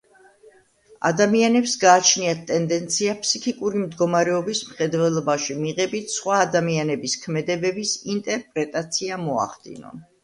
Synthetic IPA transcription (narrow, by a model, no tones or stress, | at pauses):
a̰d̪amianɛpsɡaːt͡ʃʰniat̪t̪ʼːɛnd̪ɛnt̪sʰiapʰsikʰikʼuɾimd̪ɡɔmaɾɛɔbismχɛd̪vɛlˠɔbaʃimiʁɛbit̪ʰsχwaːd̪amianɛbiskʰmɛd̪ɛbɛbisint̪ʼɛɾpʼɾɛt̪ʼat̪sʰiamɔa̰χd̪ḭnɔ̰n